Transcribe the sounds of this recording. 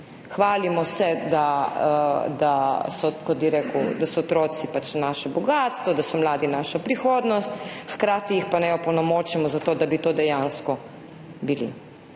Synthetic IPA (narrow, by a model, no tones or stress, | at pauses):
xʋaːlimɔsɛd̪a | d̪asɔkɔt̪̚biɾeːkud̪asɔːt̪ɾot̪sipat͡ʃnaːʃɛbɔɡaːt̪st̪ʋɔd̪asɔmlaːd̪inaːʃapɾixoːd̪nɔst̪xkɾaːt̪ijixpanɛjɔpɔnɔmoːt͡ʃɛmɔzat̪oːd̪abit̪oːd̪ɛjanskɔ | bilḭ